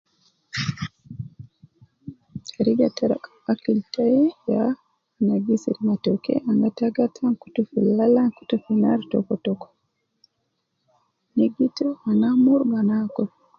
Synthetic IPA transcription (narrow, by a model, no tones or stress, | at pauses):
aɾiɡataɾa̰kaakiltajɛjaː | naɡisḭɾmatɔkɛ̰ʔaŋɡataɡatʰanku̥tufilalanku̥tufinaɾtɔ̰kɔtɔkɔ̥ | niɡitɔaŋɡamuɾbanakɔ